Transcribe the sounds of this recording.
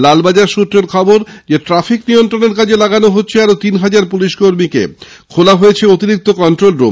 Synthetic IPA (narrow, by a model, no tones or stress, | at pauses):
lalbad͡ʑaɾʃut̪ːɾeɾkʰɔboɾd͡ʑeʈɾafiknijont̪ɾoneɾk̬ad͡ʑʰelaɡanoɦotːɕʰeaɾot̪inɦad͡ʑaɾpuliʃkoɾmikḛ | kʰolaɦojet͡ɕʰeot̪iɾik̚t̪okɔɳʈɾolɾo̰m